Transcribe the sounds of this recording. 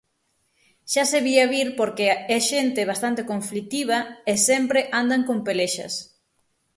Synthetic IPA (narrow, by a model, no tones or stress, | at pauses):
ʃaseβiaβiɾpoɾkeɛʃent̪ɪβast̪ant̪ekõɱflit̪iβ̞ɐesɛmpɾeʔand̪aŋkompeleʃɐ̰s